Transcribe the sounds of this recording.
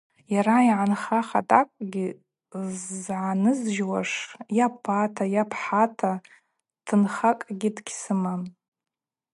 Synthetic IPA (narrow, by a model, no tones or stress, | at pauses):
jaɾaiʕanχaχa̰tʼakʷʼɡʲi | zʕanɨzʒwaʂjapʰatʰajapʰħatʰa | tʰɨnχakʼɡʲɪdɡʲsɨmam